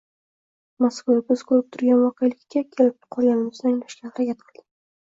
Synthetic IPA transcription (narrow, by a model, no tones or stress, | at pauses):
maskvabɪz̥kʰɵlɪp̚t̪ʰʊɾɡʲanvɒqʰejalɪkʲːakʲʰe̞lɪp̚qʰɒlˠɡʲanɪmɪzd̪aŋlaʃkʲanɾakʲat̪qʰɨlˠd̪ɪ̥